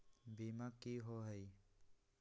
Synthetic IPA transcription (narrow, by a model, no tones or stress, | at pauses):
biːmakːiɦoɦəi